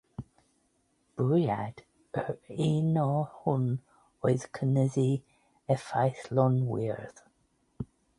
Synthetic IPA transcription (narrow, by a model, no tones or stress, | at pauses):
b̥ujad̥ | əɹinɔhun | ɔjzkʰənəzi | ɛfajθlɔnwḭɹð